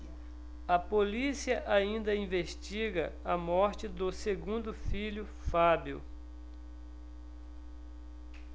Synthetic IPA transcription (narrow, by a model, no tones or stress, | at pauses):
ɐpolisiɐʔaĩnd̪ɐĩveʃt͡ʃiɡɐɐmɔɾt͡ʃɪd̪ʊseɡũnd̪ʊfiʎʊ | fabṵ